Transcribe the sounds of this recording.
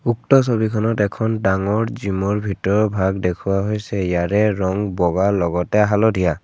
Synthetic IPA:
uk̚tɔs̬obikʰɔnɔtɛkʰɔndaŋɔɹzimɔɹbʱitɔɹɔbʱaɡdekʰʊwaɦojsɛjaɹɛɹɔŋbɔɡalɔɡɔtɛaɦalɔdʱija

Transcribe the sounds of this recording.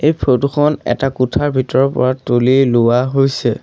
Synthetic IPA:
ejpʰotuxʰɔnɛ̰takutʰaɹbʱitɔɹɔpɔ̰ɹatolilʊwaɦojsɛ

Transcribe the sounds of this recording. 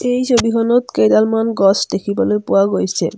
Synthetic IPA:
ejsobiɦɔnɔt̪kejd̪almanɡɔsd̪ekʰibalepowaɡojsʰḛ

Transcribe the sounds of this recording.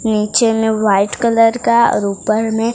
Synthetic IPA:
niːt͡ʃemẽʋaːɪʈkələɾkaɾuːpəɾmẽ

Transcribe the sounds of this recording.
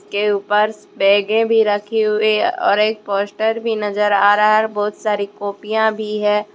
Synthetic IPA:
skeuːpəɾ | bɛːɡẽbʱiɾɐkʰeɦʊeɔ̰ːɾeːk̚poːsʈəɾbʱinɐzəɾaːɾaɦɛbɔːt̪saːɾikoːpijãbʱiɦɛ̃ː

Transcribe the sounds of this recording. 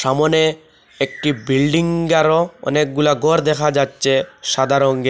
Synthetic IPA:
ʃamone | ek̚ʈibilɖiŋɡaɾoɔ̰nek̚ɡulaɡɔɾd̪ɛkʰad͡ʑatːɕʰeʃad̪ʱaɾoŋɡe

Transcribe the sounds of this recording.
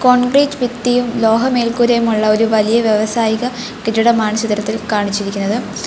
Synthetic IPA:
ko̞ːɳɡɾiːd͡ʑʋit̪ːijumlo̞ːɦɐme̞ːlkuːɾɐjumuɭːɐo̞ɾuʋɐlijɐʋjeʋɐsaːjiɣɐ | kiʈːuɽɐmaːɳɐɕɐt̪iɾɐt̪ːilkaːɳit͡ɕːiɾikʲːunːɐðɨ

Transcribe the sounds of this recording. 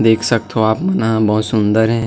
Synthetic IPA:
d̪eːkʰsək̚t̪ɦoaːpmɐnabɐɦʊt̪sʊ̃nd̪əɾɦɛ̃

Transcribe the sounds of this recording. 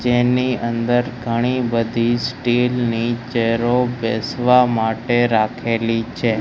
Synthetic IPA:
d͡ʒeniənd̪əɾɡʱəɽ̃ibəd̪ʱisʈilnit͡ʃɛɾobesʋamaʈeɾakʰelit͡ʃʰe

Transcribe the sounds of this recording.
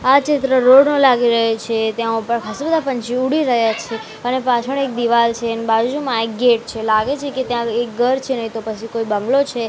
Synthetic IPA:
at͡ʃɪt̪ɾəɾoɽnõlaɡiɾəɦet͡ʃʰet̪jãupəɳkʰasubəd̪ʱapəɲt͡ʃiuɽiɾəɦjat͡ʃʰe | ənepat͡ʃʰəɳek̚d̪iʋalt͡ʃʰeənebad͡ʒud͡ʒumãek̚ɡeʈ̚t͡ʃʰelaɡet͡ʃʰeket̪jãek̚ɡəɾt͡ʃʰenəɦĩt̪opət͡ʃʰikoibəŋɡlot͡ʃʰe

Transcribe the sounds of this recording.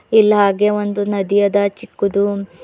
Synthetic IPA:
ilːɐɦaːɡeond̪unɐd̪ijɐd̪ɐt͡ʃikːud̪u

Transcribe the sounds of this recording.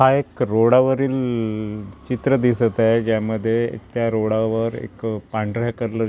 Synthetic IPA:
ɦaekɾoɽaʋəɾiːl | t͡ɕit̪ɾəd̪isət̪ajd͡ʑjaməd̪ʱːjet̪jaɾoɽaʋəɾḛkpaɳɖɾakəɾlə

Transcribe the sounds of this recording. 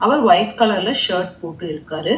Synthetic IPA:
ɐʋɐɾʋɐjtkɐlɐɾɪlɐʂɐːɾʈ̚poːʈːɯɪɾɯkːaːɾɯ

